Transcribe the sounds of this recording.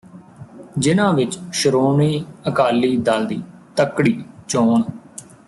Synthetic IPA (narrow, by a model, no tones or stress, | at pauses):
d͡ʒɪnãːʋɪt͡ʃʃəɾoːɳiːəkaːliːd̪ald̪iːt̪əkːɽiːt͡ʃoːɳ